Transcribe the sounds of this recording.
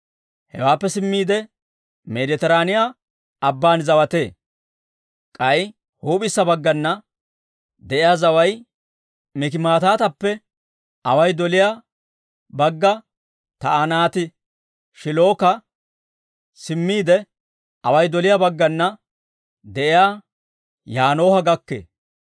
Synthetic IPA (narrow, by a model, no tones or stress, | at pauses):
hɛ̰waːpːɛsɪmːiːd̪ɛ | mɛd̪ɪt̪ɛɾaːnɪjaː | ɐbːaːnzɐwɐt̪e̞ː | kʼɐj | huːpʼɪsːɐbɐɡːɐnːɐ | d̪ɛʔɪjaːzɐwɐj | mɪk̬ɪmaːt̪aːt̪ɐpːɛ | ʔɐwɐjd̪ɔlɪja | bɐɡːɐ | t̪ɐɐnaːt̪ɪ | ʃɪlo̞ːkɐ | sɪmːiːd̪ɛ | ʔɐwɐjd̪ɔlɪjabɐɡːɐnːɐ | d̪ɛʔɪjaː | jaːno̞ːhɐɡɐkːḛː